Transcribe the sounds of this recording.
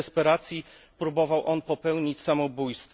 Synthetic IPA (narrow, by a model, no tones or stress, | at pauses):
spɛɾat̪sʲji | pɾubɔvawʔɔnpɔpɛwɲit͡ɕsamɔbujst̪f